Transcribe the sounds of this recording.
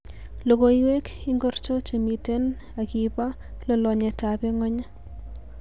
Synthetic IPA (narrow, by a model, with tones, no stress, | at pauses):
lo˨koiwe˦ki˦ŋɡɔ˦rt͡ʃɔ˦t͡ʃemite˦n | akipa˦ | lɔ˨lɔ˨ɲe˨ta˨pɛ˦ŋɔ˦ɲa˦